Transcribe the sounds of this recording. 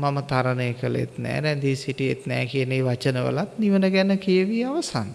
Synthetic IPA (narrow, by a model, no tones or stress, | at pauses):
mamət̪aɾənəjəkəlḛt̪nɛ̰ːɾɛnd̪iːsiʈiet̪nɛ̰ːkiəneːʋat͡ʃənəʋə̰lat̪niʋənəɡænəkeəʋiaʋəsan